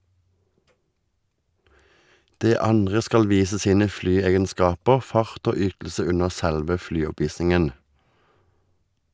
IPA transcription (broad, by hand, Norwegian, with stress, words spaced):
ˈdeː ˈɑnʁə ˈskɑl ˈʋiːsə ˈsiːnə ˈflyːˌeːɡənˌskɑːpəʁ ˈfɑʁt ˈoː ˈʏtl̩sə ˈʉnəʁ ˈsælʋə ˈflyːˌɔˌpʋiːsɪŋən